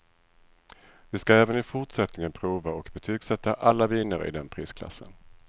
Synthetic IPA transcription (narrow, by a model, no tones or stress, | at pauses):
vɪskaɛːvənɪfʊʈʂɛt̪nɪŋənpʰɾuːvaɔkbɛt̪ʰyːɡsɛt̪ʰːaʔalːaviːnəɾɪ̰d̪ɛnpʰɾiːskʰla̰sːə̰n